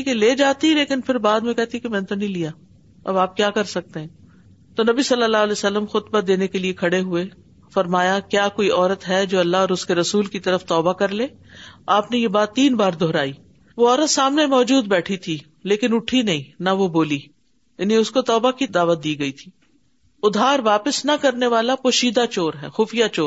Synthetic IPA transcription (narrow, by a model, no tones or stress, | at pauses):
iːkeleːd͡ʒaːt̪ĩleːkɪnpʰɪɾbaːd̪mẽkɛɦt̪iikemɛ̃ːnet̪onɐĩlijaː | ɐ̰baːp̚kjaːkɐɾsɐk̚t̪eɦɛ̃ː | t̪onɐbisɐlːəlːaːlɛːsɐlːəmxʊt̪bad̪eːnekeliekʰɐɽeɦʊe | fɐɾmaːjakjaːkoːiʔɔːɾət̪ɦɛd͡ʒoːɐlːaɦɔːɾʊskeɾɐsuːlkit̪ɐɾəft̪ɔːbakɐɾleː | aːpnejebaːt̪ːiːnbaːɾd̪ʱoɦɾaːi | ʋoɔːɾət̪saːmnemɔːd͡ʒuːd̪̚bɛːʈʰit̪ʰi | leːkɪnʊʈʰinɐɦĩnɐʋoboːli | ɐnẽʊskot̪ɔːbakid̪aːʋət̪̚d̪iːɡɐit̪ʰiː | ʊd̪ʱaːɾʋaːpəsnɐkɐɾneʋaːlapoːʃiːd̪at͡ʃoːɾɦɛːxʊːfijat͡ʃoːɾ